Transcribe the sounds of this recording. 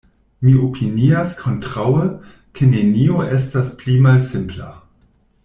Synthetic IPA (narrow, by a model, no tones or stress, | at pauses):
miopʰiniaskʰo̞ntʁawə | kʰenenioʔe̞stasplimalsɪmpla̰